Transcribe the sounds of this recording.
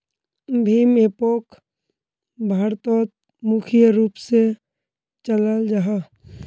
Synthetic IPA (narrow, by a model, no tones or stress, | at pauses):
bʱiːmepoːk | bʱaːɾt̪ɔːt̪ | mʊkʰjəɾuːpse | t͡ʃələld͡ʒaɦa